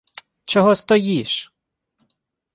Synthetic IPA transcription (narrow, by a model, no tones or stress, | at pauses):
t͡ʃɔɦɔst̪ɔjiʃ